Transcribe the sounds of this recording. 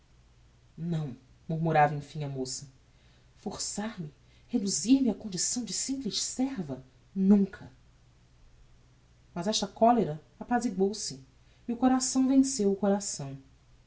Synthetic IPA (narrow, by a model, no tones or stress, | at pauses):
nɐ̃w̃ | muɾmuɾavɐẽfĩɲɐmosɐ | foɾsaɾmɪ | hed̪uziɾmɪɐkõnd͡ʒisɐ̃w̃d͡ʒɪsĩmplɪʃsɛɾvɐ | nũŋkʰɐ | mɐzɛʃt̪ɐkɔleɾɐ | apaziɡowsɪ | iʊkoɾasɐ̃w̃vẽsewʊkoɾasɐ̃w̃